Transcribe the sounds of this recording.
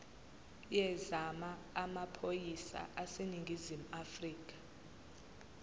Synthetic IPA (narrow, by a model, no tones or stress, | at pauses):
jɛzamaːmapʰojisa̰ʔaseniŋɡʱizimuafriːk̬ʼḁ